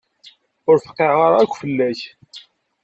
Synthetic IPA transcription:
ʊɾfə̥qːeʕʁaɾækʷːfəlːæç

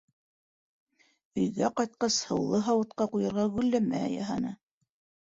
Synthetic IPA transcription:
ɵ̆jɡæqɑjt̪̚qɑshɤ̆wlˠɤɦɑwɤ̆t̪qɑqujɤ̆ɾʁɑɡʉ̆lːæmæ̰jɑ̰ɦɑnɤ

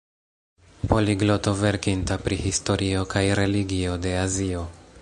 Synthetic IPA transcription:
po̞liɡlo̞to̞ve̞ɾkintapɾihisto̞ɾʔio̞kʰajɾe̞liɡio̞de̞azio

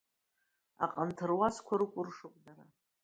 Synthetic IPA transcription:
a̰qʼantʰɨrwaskʷʰaɾɨkʷʼʊrʂɨqʼdaɾa

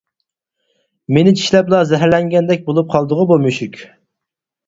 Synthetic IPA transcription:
menɪt͡ʃʰi̥ʃlɛp̚lˠɑzɛɦæɾlɛŋɡʲɛnd̪ɛk̚ʲbolˠup̚qʰɑlˠd̪əʁʊbomyʃykʲ

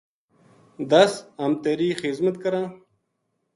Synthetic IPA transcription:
d̪ɐsɐmt̪eɾiːχizmɐt̪kɐɾãː

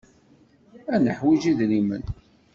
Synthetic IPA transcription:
ænəħwid͡ʒiðlimə̰n

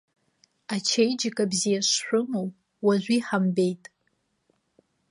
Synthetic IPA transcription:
at͡ʃʰejd͡ʒɪkʼabzijaʃħʷᶣʊmow | waʒʷiħambe̞jtʼ

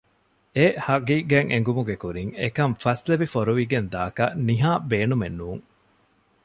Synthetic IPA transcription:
ehɐɡiːɡæːŋʔeŋ̆ɡumuɡekuɾiŋekɐmfɐsleʋifoɾuʋiɡend̪aːkɐniɦaːbeːnumenːuːŋ

